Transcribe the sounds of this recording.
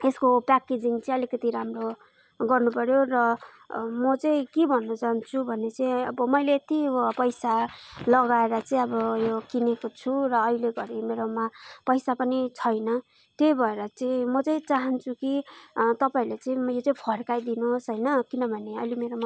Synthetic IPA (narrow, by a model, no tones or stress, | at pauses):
eskopaked͡ziŋt͡sʌĩʌlikʌt̪iɾamro | ɡʌrnupʌɾjorʌ | mʌt͡sʌĩkebʱʌnːʌt͡saɦnt͡sʰubʱʌnet͡sʌĩʌbʌmʌjleːt̪ipʌjsalʌɡaeɾʌt͡sʌ̃ĩʌbʌjokinekot͡sʰurʌːɦileɡʌɾimeɾomapʌjsapʌnit͡sʰʌjnʌ | t̪jejbʱʌeɾʌt͡sʌĩmʌt͡sʌĩt͡saɦʌnt͡sʰukit̪ʌpaĩlet͡saĩmʌjot͡saĩpʰʌrkajd̪inosɦʌjnʌkinʌbʱʌneʌjlimeɾoma